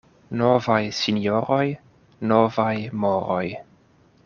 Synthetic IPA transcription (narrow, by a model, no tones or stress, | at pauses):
nɔvajsinjɔɾɔj | nɔvajmɔɾɔj